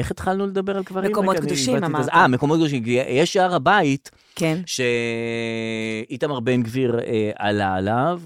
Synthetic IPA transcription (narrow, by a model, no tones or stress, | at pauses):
eχet̪χalnuled̪abeʁalkvaʁmeimkomokd̪oʃimamamekomot̚kd̪oʃ̬imkjeʃaaʁabait | kenʃe | it̪amaʁbenɡviʁea̰laːlav